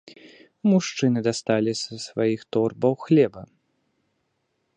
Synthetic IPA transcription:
muʂt͡ʂɨnɨd̪ast̪alʲisɐsvajixt̪ɔrbɐwxlʲɛbɐ

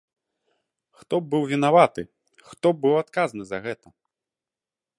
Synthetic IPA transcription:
xt̪ɔbɨwvʲinavat̪ɨ | xt̪ɔbɨwat̪kaznɨzɐɣɛt̪ɐ

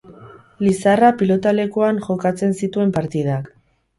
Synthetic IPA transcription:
lisarapilo̞t̪ale̞kuanʝo̞kat͡se̞nsit̪ue̞mpaɾt̪ið̞ak

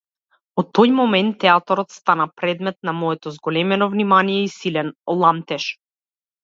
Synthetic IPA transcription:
ɔt̪ːojmɔmɛnt̪ːɛat̪ɔɾɔt̪st̪anapɾɛd̪mɛt̪̚namɔɛt̪ɔzɡɔlɛmɛnɔvnimanijɛisilɛnlˠamt̪ɛʃ

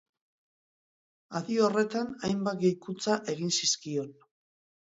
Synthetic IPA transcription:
aðiore̞t̪anajmbat̪̚ɡejkut͡saʔe̞ɣ̞insiskio̞n

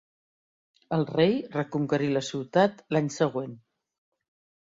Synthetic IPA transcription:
əlˠrejrəkuŋkəɾiləsiwt̪at̪laɲsəɣ̞wen

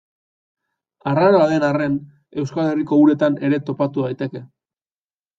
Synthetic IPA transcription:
araɾoaðe̞nare̞n | e̞wskale̞riko̞uɾe̞t̪ane̞ɾe̞t̪o̞pat̪uðajt̪e̞ke̞

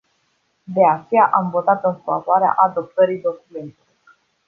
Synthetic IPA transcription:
d̪e̞at͡ʃejaʔamvo̞t̪at̪ɨnfavoaɾea̰ʔad̪o̞p̚t̪əɾijd̪o̞kume̞nt̪elo

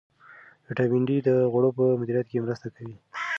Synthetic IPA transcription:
ʈabɪɳɖid̪əɣaɽopəmʊd̪iɾijat̪̚kemɾəst̪akawi

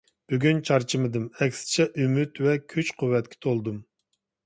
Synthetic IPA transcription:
b̥yɡʲynt͡ʃʰɑɾt͡ʃʰimɨd̪ɨmɛkʲsɪ̥t͡ʃʰɛʔymyt̪wɛkʲʰyt͡ʃqʰuwːɛt̪̚kʲʰɛ̥t̪ʰolˠd̪um

